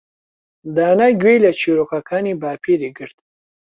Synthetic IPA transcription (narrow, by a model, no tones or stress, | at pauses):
d̪aːnaɡʲwelʲat͡ʃiɾokakʰanibaːpʰiɾiɡəɾt̪